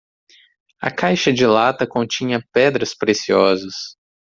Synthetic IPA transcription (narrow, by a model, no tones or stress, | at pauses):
ɐ̰kajʃɐd͡ʒɪlat̪ɐkõnt͡ʃĩɲɐpɛd̪ɾɐspɾesiɔzɐs